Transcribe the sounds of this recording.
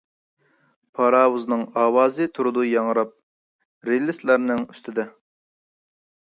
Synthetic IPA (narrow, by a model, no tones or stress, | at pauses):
pʰɑɾɑːwuznɨŋɑːwɑːzɨt̪ʰuɾud̪ujɑŋɾɑp̚ | ɾelɪslæɾnɪŋy̥st̪ʰɪd̪ɛ